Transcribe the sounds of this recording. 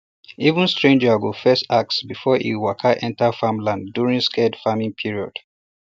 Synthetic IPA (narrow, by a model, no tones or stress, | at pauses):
ivũnstɹẽnd͡ʒawilfɛstak̚tsbifɔʔḭwakʰaʔɛ̃ntafãmlãnddjuɹĩŋskʰɛdfamĩŋpʰiɹiɔ̰d̥